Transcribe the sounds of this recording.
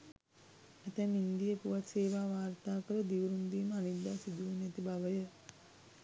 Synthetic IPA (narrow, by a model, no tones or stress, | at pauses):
æt̪æmind̪ijəpuʋat̪seːʋaːʋaːrt̪aːkəɾəd̪iʋɾund̪iːməanid̪ːaːsid̪uːnɛt̪ibaʋəjə